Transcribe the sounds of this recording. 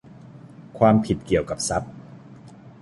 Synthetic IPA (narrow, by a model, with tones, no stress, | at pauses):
kʰwaː˧mpʰi˨˩t̪̚ki˨˩əwka˨˩p̚sa˦˥p̚